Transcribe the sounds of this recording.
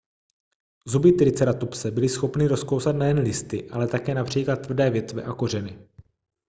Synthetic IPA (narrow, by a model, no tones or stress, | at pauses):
zubɪt̪ɾɪt͡sɛɾat̪upsɛbɪlɪsxo̞pnɪɾo̞skowsat̪nɛjɛnlɪst̪ɪʔalɛt̪akɛːnapr̝̥iːklat̪ːvrdɛːvjɛt̪vɛʔako̞r̝ɛnɪ